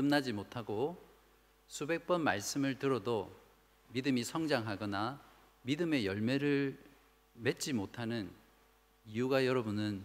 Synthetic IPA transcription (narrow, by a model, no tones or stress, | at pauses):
ɯmnad͡ʑimotʰaɡo | sʰube̞k̚p͈ʌnma̰ɭs͈ɯmɯɭtɯɾʌdo | midɯmisʰʌŋd͡ʑaŋɦaɡʌna | midɯme̞jʌɭme̞ɾɯɭ | me̞t̚t͡ɕ͈imotʰanɯn | iuɡajʌɾʌbunɯn